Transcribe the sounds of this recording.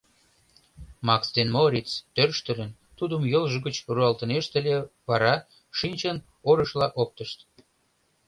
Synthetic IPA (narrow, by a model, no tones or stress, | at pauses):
mɑksd̪enmoɾʲitt͡st̪ørʃt̪ə̆lʲən | t̪ud̪əmjəlʒə̆ɡət͡ɕruɑlt̪ə̆neʃt̪ə̆lʲeβɑɾɑ | ʃinʲt͡ɕən | oɾəʃlɑʔok̚t̪əʃt̪